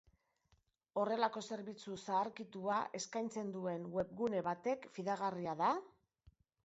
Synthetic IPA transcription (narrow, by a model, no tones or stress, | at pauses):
o̞re̞lako̞se̞ɾβit͡susaːɾkit̪uae̞skajnt͡se̞nd̪ue̞nwe̞p̚ɣune̞βat̪e̞kfiðaɣariaða